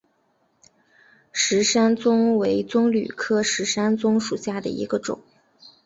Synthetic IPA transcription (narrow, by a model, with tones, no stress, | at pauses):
ʂɻ̩˧˥ʂa˥nt͡sʊ˥ŋwe˧˥ɪt͡sʊ˥ŋly̰˨˩kʰɤ˥ʂɻ̩˧˥ʂa˥nt͡sʊ˥ŋʂu˨˩ɕja˥˩d̪ə̰˩ḭ˧˥ɡə˧ʈ͡ʂʊ̰˨˩˦ŋ